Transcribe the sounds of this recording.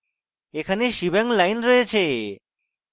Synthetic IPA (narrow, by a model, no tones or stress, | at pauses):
ekʰaneʃibɛŋlajnɾojet͡ɕʰe